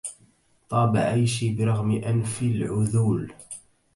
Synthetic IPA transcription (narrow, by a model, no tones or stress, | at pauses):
t̪ˤɑːba̰ʕajʃibɪɾˤɑɣmɪʔanfilʕʊðuːl